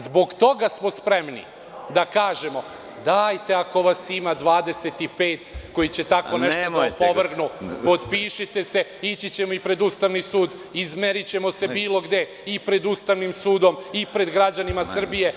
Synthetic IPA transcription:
zbo̞ɡt̪o̞ɡasmo̞spɾe̞mnḭ | d̪akaːʒe̞mo̞ | d̪aːjt̪e̞ako̞ʋasimad̪ʋaːd̪e̞set̪ipe̞ːt̪ko̞jit͡ɕet̪ako̞neʃt̪oapoʋr̩ɡnupo̞d̪piːʃit̪e̞se̞it͡ɕit͡ɕe̞moipɾe̞d̪ust̪aʋnisuːd̪ | izme̞ɾit͡ɕe̞mo̞se̞biːlˠo̞ɡd̪e̞ | ipɾe̞d̪ust̪aʋnimsuːd̪o̞mipɾe̞d̪ɡɾad͡ʑanimasr̩bije̞

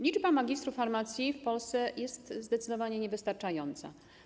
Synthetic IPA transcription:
lʲid͡ʐbamaɡʲist̪ɾufaɾmat̪sʲjifpɔlst̪sɛjɛst̪zd̪ɛt̪sɘd̪ɔvaɲɛɲɛvɘst̪aɾt͡ʂajɔnt̪sa̰

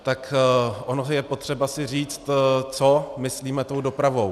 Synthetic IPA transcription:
t̪akʔonojɛpo̞t̪r̝̥ɛbasɪr̝iːt͡st̪t͡somɪsliːmɛt̪o̞wdo̞pɾavo̞w

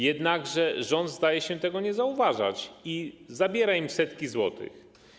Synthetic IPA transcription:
jɛd̪naɡʐɛʐɔnd̪zd̪ajɛɕɛt̪ɛɡɔɲɛzauvaʐa̰t͡ɕizabʲjɛɾaimsɛt̪kʲizwɔ̰t̪ɘ̰x

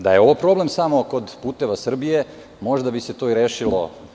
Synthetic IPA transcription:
d̪ajeo̞ʋopɾo̞ble̞msamo̞ko̞d̪puːt̪e̞ʋasr̩bije̞ | mo̞ʒd̪abise̞t̪o̞ːiɾeːʃilo̞̰

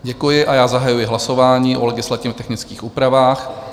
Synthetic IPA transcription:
ɟɛkujɪʔajaːzaɦajujɪɦlaso̞vaːɲiːʔo̰lɛɡɪslat̪ɪt̪ɛxnɪt͡skiːxʔuːpɾavaːx

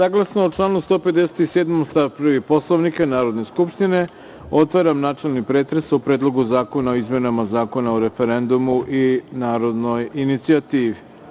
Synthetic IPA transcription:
saɡlˠasnooʈ͡ʂlˠaːnust̪o̞ːpe̞d̪e̞se̥t̪iseːd̪momst̪aʋpɾr̩ʋipo̞slˠoʋnikanaːɾod̪ne̞skupʃt̪ine̞ | o̞t̪ʋaɾamnaːt͡ʂe̞lˠnipɾeːt̪ɾesupɾeːd̪lˠo̞ɡuzaːko̞naoizme̞namazaːko̞naoɾefe̞ɾe̞nd̪umuʔinaːɾo̞d̪no̞jinit̪siat̪iːʋi

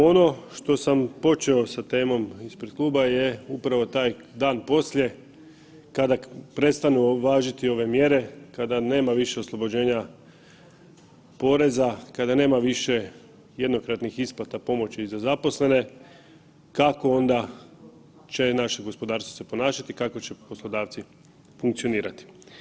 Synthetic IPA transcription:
o̞no̞ʃt̪o̞sampo̞t͡ʃeo̞sat̪e̞ːmo̞mispɾed̪̥̚klˠuːbajeupɾaʋo̞t̪aːjd̪aːnpo̞slʲje̞ | kad̪apɾe̞t̪st̪anuʋaːʒit̪io̞ʋe̞mje̞ɾe̞kad̪ane̞ːmaʋiʃe̞oslˠo̞bo̞d͡ʑe̞ːɲa | po̞ɾe̞zakad̪ane̞ːmaʋiʃe̞ | je̞d̪no̞kɾat̪nixisplat̪apo̞mo̞t͡ɕizazapo̞sle̞ne̞ | kako̞o̞nd̪a | t͡ɕe̞naʃeɡo̞spo̞d̪aːɾst̪ʋose̞po̞naːʃat̪ikako̞t͡ɕe̞po̞slˠo̞d̪aːʋt̪si | fuŋk̚t̪sio̞niːɾat̪i̥

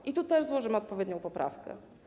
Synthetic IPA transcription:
ʔit̪ut̪ɛʐzwɔʐɘmɘɔt̪̚pɔvʲjɛd̪ɲɔ̃w̃pɔpɾa̰fkɛ̰

